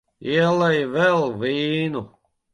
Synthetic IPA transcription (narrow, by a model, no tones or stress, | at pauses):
iɛlɛjvɛlˠviːnu